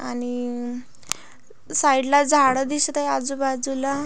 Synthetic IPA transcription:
ani | saiɽlad͡zʱaɽəd̪isɾəjad͡zubad͡zula

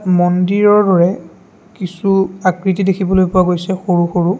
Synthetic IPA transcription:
mɔndiɹɔɹdɔɹɛ | kisuakɹit̬idekʰibɔlojpʊwaɡojsɛxoɹuxoɹu

